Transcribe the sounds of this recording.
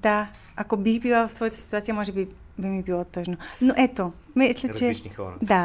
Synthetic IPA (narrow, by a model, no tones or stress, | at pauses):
d̪a | akobixbilˠavoft̪vɔjat̪ḁsi̥t̪uat̪ijamɔʒɛbi | bimibilˠot̪əʒnonoʔɛt̪o | mislɛt͡ʃɛo̰d̪a